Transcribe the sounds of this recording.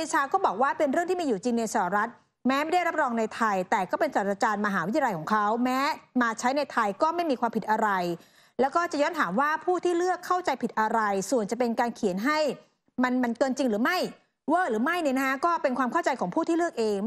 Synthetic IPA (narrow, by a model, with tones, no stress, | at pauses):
e˧˩t͡ɕʰaː˧kɔː˥˩bɔː˨˩k̚waː˥˩pe˧nɾɯ˥˩ŋt̪ʰiː˥˩iː˧juː˨˩t͡ɕi˧ŋna˧jsaː˨˩a˧˩ɾa˦˥t̪̚ | mɛː˦˥ma˥˩jda˥˩ɾa˦˥p̚ɾɔː˧ŋna˧jt̪ʰa˧jt̪ɛː˨˩kɔː˥˩pe˧nsaː˨˩ɾa˧t͡ɕaː˧nmaː˧ɦaː˩˦wi˦˥ja˧ljkʰɔː˩˦ŋkʰa˦˥wmɛː˦˥maː˧t͡ɕʰa˦˥jna˧jt̪ʰa˧jkɔː˥˩ma˥˩jmiː˧kwaː˧mpʰi˨˩t̪̚ʔa˧ɾa˧j | lɛː˦˥wkɔː˥˩t͡ɕa˨˩jɔː˦˥nt̪ʰaː˩˦mwaː˥˩pʰuː˥˩t̪ʰiː˥˩lɯ˥˩əkʰːa˥˩wt͡ɕa˧jpʰi˨˩t̪̚ʔa˧ɾa˧jsu˨˩ənt͡ɕa˨˩pe˧nkaː˧nkʰi˨˩˦nɦa˥˩j | ma˧nma˧nkɤː˧nt͡ɕi˧ŋɾɯː˩˦ma˥˩j | wɤː˥˩ɾɯː˩˦ma˥˩jni˥˩na˦˥kʰa˦˥kɔː˥˩pe˧nkʰwaː˧mkʰa˥˩wt͡ɕa˧jkʰɔː˩˦ŋpʰuː˥˩t̪ʰiː˥˩lɯ˥˩ək̚ʔeː˧ŋ